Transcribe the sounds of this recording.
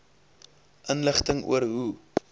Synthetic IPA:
ʔənləχtəŋṵərɦu

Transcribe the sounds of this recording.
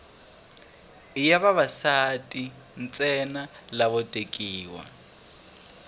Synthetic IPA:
ɪjaβaβasatʼi | n̩t͡sʼɛnalaβɔtʼekʼiːwa̰

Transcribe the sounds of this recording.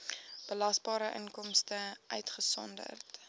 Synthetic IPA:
b̥əlɐsbɑːɾəʔə̰ŋkɔmstəʔœɥtχəsɔ̰ndə̰rt

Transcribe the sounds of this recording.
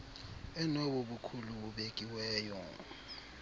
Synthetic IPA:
ɛnowuɓukʰuluuɓekʼiwɛːjɔ̰

